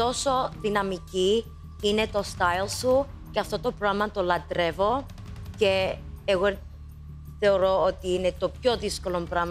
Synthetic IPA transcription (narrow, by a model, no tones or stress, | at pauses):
t̪o̞so̞ðinɐmici | ine̞t̪o̞st̪ɐjlsu | ceɐft̪o̞t̪o̞pɾomɐt̪o̞lɐt̪ɾe̞vo̞ | ce̞ːɣo | θe̞o̞ɾo̞ot̪iine̞t̪o̞pço̞ðisko̞lo̞mpɾɐmɐ